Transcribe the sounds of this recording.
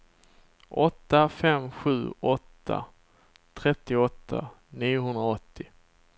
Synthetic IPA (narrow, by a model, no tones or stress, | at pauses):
ʔɔt̪ːafɛmɧʉ̟ːɔt̪ʰːa̰ | t̪ʰɾɛt̪ːɪɔt̪ʰːa̰ | niːjʊɦɵnd̪ɾaɔt̪ʰːɪ